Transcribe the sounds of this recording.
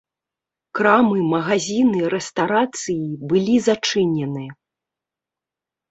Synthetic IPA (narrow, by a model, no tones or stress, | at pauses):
kɾamɨmɐɣazʲinɨɾɛst̪aɾat̪sɨjibɨlʲizat͡ʂɨnʲɛnɨjɐ